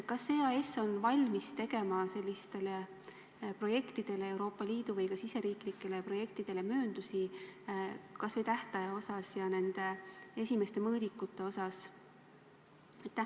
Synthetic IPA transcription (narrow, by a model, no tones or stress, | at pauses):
kɑse̞ːɑe̞sːo̞nvɑlʲmist̪e̞ɡe̞mɑse̞lʲːist̪e̞le | pro̞je̞kt̪id̪̥e̞le̞ewɾo̞ːpːˑɑliːd̪̥uvɤjkɑsise̞ɾiːklikːˑe̞le̞pro̞je̞kt̪id̪̥e̞lemø̞ːnd̪̥usi | kɑsvet̪æht̪ɑjɑo̞sɑsjɑne̞nd̪̥e̞e̞sʲime̞st̪e̞mɤːd̪ikːˑut̪ːˑe̞o̞sɑs | et̪ːæ